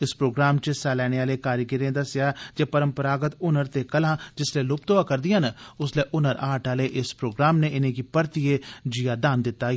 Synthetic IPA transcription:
ɪspɾoːɡɾaːmt͡ʃəsaːlɛːneːaːleːkaːɾjəkɪɾẽːd̪əsɪjaːd͡ʒeːpəɾəmpəɾaːɡət̪ʊnəɾt̪eːkəlãːd͡ʒɪsleːlʊp̚t̪oaːkəɾd̪ɪjanʊsleːʔʊnəɾaːʈaːleːʔɪspɾoːɡɾaːmneːʔɪnẽːkiːpəɾt̪ɪeːd͡ʒijaːd̪aːnd̪ɪt̪ːaː

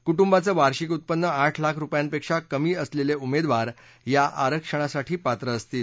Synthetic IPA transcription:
kuʈumbat͡səːʋaɾɕikut̪̚pənːəaʈʰlakʰɾupjãnpekʂakəmiːəsleleumed̪ʋaɾ | jaʔaɾəkʂəɽ̃asaʈʰiːpat̪ɾəəst̪iːl

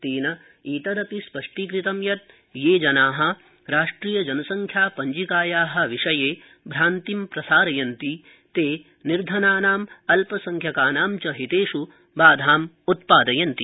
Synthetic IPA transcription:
t̪iːnɐ | iːt̪ɐɾɐp̪ispɐʂʈikɾit̪ɐmjɐt̪ | jeːd͡ʒɐnaːɦɐ̆ | ɾaːʂʈɾiːjɐd͡ʒɐnɐsɐŋkʰjaːpɐɲd͡ʒikaːjaːɦɐ̆ʋiʂɐjeː | bʱɾaːnt̪impɾɐsaːɾɐjɐnt̪i | t̪eː | niɾd̪ʱɐnaːnaːmɐlpɐsɐŋkʰjɐkaːnaːmt͡ʃɐɦit̪eːʂu | baːd̪ʱaːm | ut̪̚paːd̪ɐjɐnt̪i

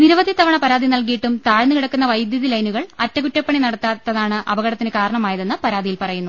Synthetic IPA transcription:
niɾuʋɐd̪it̪ɐʋɐɳɐpɐɾaːd̪inɐlk̬ijiʈːumt̪aːɻnːɨkiɽɐkːunːɐʋɐjd̪jɐðilɐjnuɣɐɭɐtːɐkutːɐpːɐɳinɐɽɐt̪ːaːt̪ːɐðaːɳɨʔɐbɐɣɐɽɐt̪ːinɨkaːɾɐɳɐmaːjɐðenːɨpɐɾaːd̪ʱijilpɐrɐjunːu

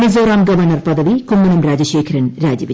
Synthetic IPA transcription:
mizoːɾaːmɡɐʋɐrnɐrpɐd̪ɐʋikomːɐnɐmɾaːd͡ʑɐʃeːkʰɐɾɐnɾaːd͡ʒɐʋi

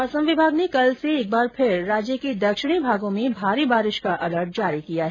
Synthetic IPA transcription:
ɐsəmʋɪbʱaːɡnekɐlseːk̚baːɾpʰɪɾːaːd͡ʒjəked̪ɐkʃɪɽ̃ibʱaːɡõmẽbʱaːɾibaːɾɪʃkaʔɐləɾʈ̚d͡ʒaːɾikijaɦɛ

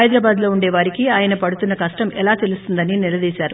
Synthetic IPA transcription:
ɐjd̪ɾɐbaːd̪lo̞ːuɳɖeːʋaːɾikiaːjɐnɐpɐɽut̪unːɐkɐʂʈɐmɛlaːt̪e̞lust̪und̪ɐninilɐd̪iːsaːɾu

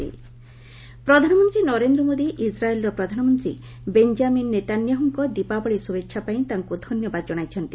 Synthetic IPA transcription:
ḭ | pɾɔd̪ʱanɔmɔnt̪ɾinɔɾend̪ɾɔmod̪iʔisɾaelɾɔpɾɔd̪ʱanɔmɔnt̪ɾḭ | beɲd͡ʒaminːet̪anjɔɦɔŋkɔd̪ipabɔɭisubetʰːʃʰapaĩt̪aŋkud̪ʱɔnjɔbad̪ɔd͡ʒɔɽ̃ajt͡ʃʰɔnt̪i

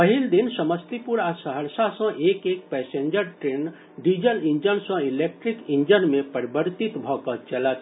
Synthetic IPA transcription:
pəɦild̪insəməst̪ipuɾasəɦəɾsasə̃ʔekek̚pɛsẽɲd͡ʒəɾʈɾen | ɖid͡ʒəlĩnd͡ʒənsə̃ilek̚ʈɾikĩnd͡ʒənmẽpəɾibəɾt̪it̪bʱɔkət͡ʃələt̪

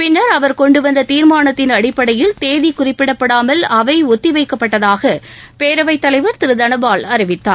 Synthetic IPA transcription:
pɪnːɐɾɐʋɐɾkɔɳɖɯʋɐnd̪ɐt̪iːɾmaːnɐt̪ːɪnɐɽɪpːɐɽɐjɪlt̪eːðikʊrɪpːɪɽɐpːɐɽaːmɐlɐʋɐɪɔt̪ːiʋɐɪkːɐpːɐʈːɐðaːɣɐpeːɾɐʋɐɪt̪ːɐlɐɪʋɐɾt̪ɪɾɯd̪ɐnɐbaːlɐɾɪʋɪt̪ːa̰ːɾ

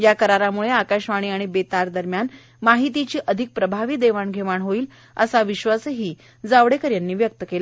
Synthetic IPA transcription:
jakəɾaɾamuɭeakaɕʋaɽ̃iːaɽ̃ibet̪aɾd̪əɾmjan | maɦit̪̬it͡ɕiːʔəd̪ʱik̚pɾəbʱaʋiːd̪eʋaɳɡʱeʋaɳɦoiːl | ə̰saʋiɕʋasɦiː | d͡zaʋɽekəɾjanːiːʋjək̚t̪əkela

